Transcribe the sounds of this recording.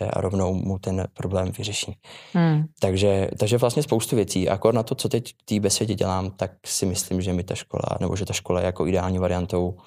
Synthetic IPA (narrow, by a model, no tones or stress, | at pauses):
ɛ̰ʔa̰ɾo̞vno̞wmut̪ɛnpɾo̞blɛːmvɪrɛʃiː | t̪aɡʒɛt̪aɡʒɛvlast̪ɲɛspowst̪uvjɛt͡siːʔa̰koɾnat̪o̞t͡so̞t̪ɛckt̪iːbɛsvjɛcɛɟɛ̰laːmt̪ak̚sɪmɪslɪmʒɛmɪt̪aʃko̰la̰nɛbo̞̰ʒɛt̪aʃko̞lajɛjakoʔɪdɛaːlɲiːvaɾɪant̪o̞w